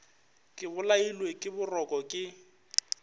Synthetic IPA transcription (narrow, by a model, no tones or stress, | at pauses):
kʼɪbʊlailwekʼɪbʊrɔkʼɔkʼɪ